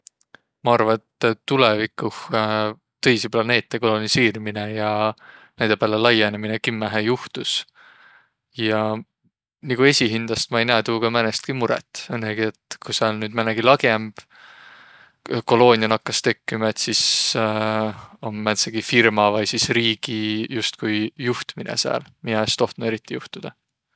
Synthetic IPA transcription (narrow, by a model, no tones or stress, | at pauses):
mɑɑrvɑet̪t̪ːulevikːuh | t̪ɤ̞jsiplɑne̞ːt̪ːˑeko̞lo̞niseːɾimine̞jɑnæjd̪epelelɑjeneminekimːæɦejuht̪us | jɑ | niɡue̞sʲiɦind̪̥ɑst̪mɑe̞jnæːt̪uːɡ̥ɑmænest̪̚kimuɾɛ̰t̪ːˑenːeɡ̥ie̞t̪kuseɑlnyːd̪̥mæneɡ̥ilɑɡ̥e̞mb̥ | ko̞lo̞ːnʲiɑnɑkːɑst̪e̞kːimɑe̞t̪sis | omːæt̪seɡ̥ifirmɑvɑjsisriːɡ̥ijust̪̚kujjuht̪minḛseæ̰ːlminɑest̪o̞ht̪nud̪eɾit̪ːˑijuht̪ud̪̥ɑ